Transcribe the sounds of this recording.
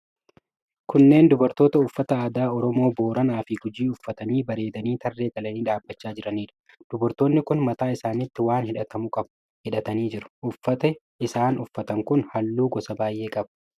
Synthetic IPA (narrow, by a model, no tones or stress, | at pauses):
kʊnːe̞ːnd̪ʊbɐɾt̪o̞ːt̪ɐʊfːɐt̪ɐaːd̪aːɔɾɔmo̞ːbo̞ːɾɐnaːfɪɡʊd͡ʒiːʊfːɐt̪ɐniːbɐɾe̞ːd̪ɐniːt̪ʰɐrːe̞ːɡɐlɐniːᶑaːbːɐt͡ʃːaːd͡ʒɪɾɐniːᶑɐ̥ | d̪̥ʊbɐɾt̪o̞ːnːɪkʊnmɐt̪aːɪsaːnɪt̪ːɪwaːnhɪᶑɐt̪ɐmʊkʼɐb | hɪᶑɐt̪ɐniːd͡ʒɪɾɐ̥ʔʊfːɐt̪ɛ | ɪsaːnʊfːɐt̪ɐŋkʊnhɐlːuːɡɔsɐbaːjʔe̞ːkʼɐbɐ̥